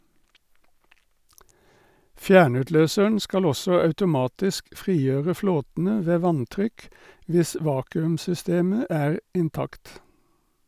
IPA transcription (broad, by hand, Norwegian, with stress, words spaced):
ˈfjæːɳʉtˌløːsəɳ ˈskɑl ˈɔsɔ ɑʉtʊˈmɑːtɪsk ˈfʁiːˌjøːʁə ˈfloːtn̩ə ˈʋeː ˈʋɑnˌtʁʏk ˈʋɪs ˈʋɑːkʉmsʏˌsteːmə ˈæːʁ ɪnˈtɑkt